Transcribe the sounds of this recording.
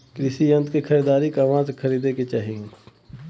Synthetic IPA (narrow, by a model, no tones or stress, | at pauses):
kɾɪʃijə̃nt̪kexʰɐɾiːd̪aːɾikaʋãːzkʰɐɾiːd̪eket͡ʃaːɦĩ